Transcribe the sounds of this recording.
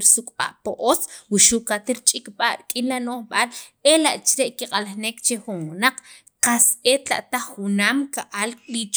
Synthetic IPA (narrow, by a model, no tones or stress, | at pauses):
ɾsukʼɓa̰ʔpoʔot͡swuʃuʔkat̪iɾt͡ʃʼikʼɓaʔɾkʼinlanoχɓalelaʔt͡ʃɾeʔkiqʼalaχnekt͡ʃeχunwunaq͡χ | qaset̪la̰ʔt̪aχːunaːmkaʔalkʼlit͡ʃ